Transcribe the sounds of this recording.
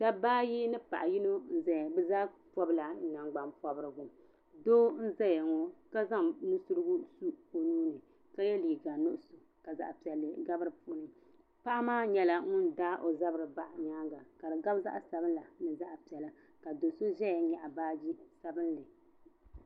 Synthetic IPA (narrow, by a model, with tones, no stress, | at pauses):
da˦baː˦ji˦nɨ˦pa̰˨ʔa˨ji˦no˦n̩˦zɛ˦˨bɨ˦zaː˦pɔ˦bla˨n̩˦na˨ŋɡ͡ba˨mpɔ˦bɨ˦ɾɨ˨ɡu˨m | doː˦n̩˦zɛ˦jɛ˨ŋɔ˦ka˦za˦ŋnɨ˦su˦ɾɨ˦ɡu˦su˦ko˨nuː˦nɨ˨ | ka˦jɛ˦liː˨ɡa˨no˦ʔʊ˦so˨ | ka˨za̰˨ʔpi˨ɛ˨lːɨ˨ɡa˦bɨ˦ɾɨ˨pu˦nɨ˨ | pa˦ʔa˦maː˦ɲɛ˦la˨ŋʊ˦ndaː˦ʔo˨za˦bɾɨ˨ba˦ʔɲaː˦ŋɡa˨ka˨dɨ˨ɡa˦bza̰˦ʔsa˨bɨ˦nla˨nɨ˨za˦ʔpi˨ɛ˨lɨ˦ | ka˨do˨so˦ʒɛ˦jɲɛ˨ʔa˨baː˦d͡ʒi˦sa˨bɨ˦nlɨ˨